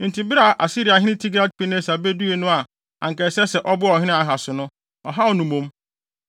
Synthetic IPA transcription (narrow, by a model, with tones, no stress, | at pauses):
n̩˨tĩ˨bɪ˦ɾa˨ʔa˨si˦ɾi˨a˨ɦɪ̃˦ɪ̃˦tʰi˦ɡɾa˦d̚pʰi˦nẽ˦sa˨be˦du˦e˦nʊ̃˦a˨ | ã̰˨ŋkɛ˨sɛ˦sɛ˨ʔɔ˦bʊ˦ɔ˨ɦɪ̃˦ɪ̃˦a˨ɦa˨sʊ˨nʊ̃˦ | ɔ˨ɦa˦ɔ˨nũ˨mũ˦m